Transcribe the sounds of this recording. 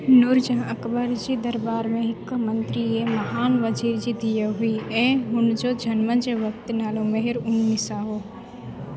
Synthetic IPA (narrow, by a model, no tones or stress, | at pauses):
nʊɾd͡ʒãːəkbəɾd͡ʒid̪ɐɾbaːɾmẽɦɪkːəmənt̪ɾiemɐɦaːnʋəd͡ʒiːɾd͡ʒid̪ijəɦʊiẽɦʊnd͡ʒod͡ʒʱɐnmənd͡ʒeʋək̚t̪naːlomɐɦɪɾʊnːisaːɦoː